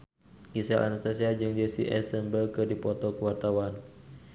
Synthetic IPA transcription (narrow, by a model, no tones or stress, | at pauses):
ɡisalʔa̰nast̪asiad͡ʒɨŋdiəsiʔɛ̰səmbəlkɨdipɔt̪ɔkəwart̪awan